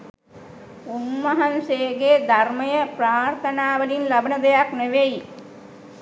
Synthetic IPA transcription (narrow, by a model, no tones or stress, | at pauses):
unmaɦanseːɡeːd̪ʱarməjəpɾaːrt̪ʰənaːʋəlinlabənəd̪ejakneʋeji